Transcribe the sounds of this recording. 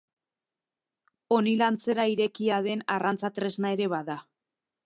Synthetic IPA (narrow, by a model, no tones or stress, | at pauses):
o̞nilant͡se̞ɾaiɾe̞kiaðe̞narʔant͡sat̪ɾe̞znae̞ɾe̞βaða